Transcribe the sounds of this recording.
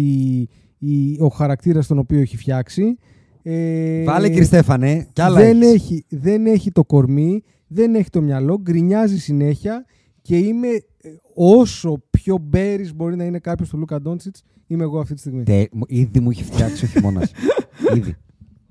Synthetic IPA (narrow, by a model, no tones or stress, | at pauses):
i | o̞xɐɾɐk̚t̪iɾɐst̪o̞no̞pio̞eçifçɐksi | evɐleiɾist̪e̞fɐnecɐlɐðeneçiðe̞ne̞çit̪o̞ko̞ɾmi | ðe̞ne̞çi̥t̪o̞mɲɐlo̞ɡɾiɲɐzisine̞çiɐ | ce̞ime̞ | o̞so̞pço̞be̞ɾizbo̞ɾinɐine̞kɐpço̞st̪olukɐd̪o̞nsit͡s | ime̞ːɣoɐft̪it̪ist̪iɣmit̪eiðimuiçi̥ft̪çɐksioçimo̰nɐ̰siðḭ